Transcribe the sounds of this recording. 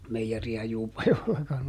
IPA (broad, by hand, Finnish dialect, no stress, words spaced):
meijeriæ juːpɑjoelːɑkɑn